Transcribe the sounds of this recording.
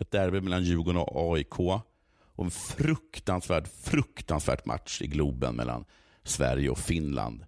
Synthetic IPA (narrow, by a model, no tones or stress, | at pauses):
ɛt̪̚d̪æɾbeːmɛlːanjʉ̟ːɡɔnɔ̰ɑːɪkʰoː | ʔɔɛnfɾɵkt̪ansvæːʈfɾɵkt̪ansvæ̰ːʈmʔa̰t̪ʂɪɡluːbənmɛ̰lːa̰n | svæ̰ɾjəɔfɪnla̰nd̪